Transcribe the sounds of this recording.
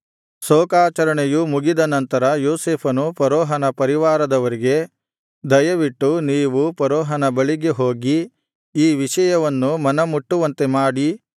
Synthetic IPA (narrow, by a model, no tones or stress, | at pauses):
soːkaːt͡ʃɐɾɐɳejumuɡid̪ɐnɐnt̪ɐɾɐjoːseːpʰɐnupɐɾɔːɦɐnɐpɐɾiʋaːɾɐd̪ɐʋɐɾiɡe̞ | d̪ɐjɐʋiʈːuniːʋupɐɾɔːɦɐnɐbɐɭiɡeɦoːɡi | iːʋiʂɐjɐʋɐnːumɐnɐmuʈːuʋɐnt̪e̞maːɽi